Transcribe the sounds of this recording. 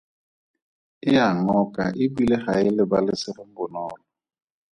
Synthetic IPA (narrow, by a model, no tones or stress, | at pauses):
ɪaŋɔkʼa̰ʔɪbileχaɪlɪbalɪsɪrɪŋ̩bʊnɔːlɔ